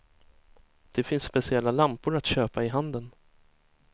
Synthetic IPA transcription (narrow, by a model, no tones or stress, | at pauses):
d̪̥ɛfɪnsːpɛsɪɛlːalampʊɾat̪ɕøːpaɪɦand̪ən